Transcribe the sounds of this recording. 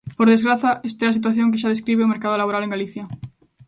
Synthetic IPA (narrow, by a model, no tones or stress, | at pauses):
poɾð̞e̞zɣɾaθaest̪easit̪̬waθjo̞ŋk̬eʃað̞e̞skɾiβ̞eomeɾkað̞olaβoɾale̞ŋɡaliθja